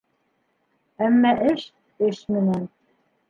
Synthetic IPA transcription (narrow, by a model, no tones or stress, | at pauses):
æmːæʔɘʃ | ɘʃmɘ̆næn